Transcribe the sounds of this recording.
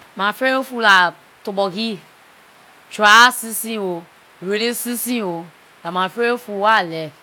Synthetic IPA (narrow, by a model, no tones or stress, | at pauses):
mãfeeofula | tobɔɡi | t͡ʃuasĩsĩwo | ɾeɾesĩsĩwo | lamãfeeofuwalɛ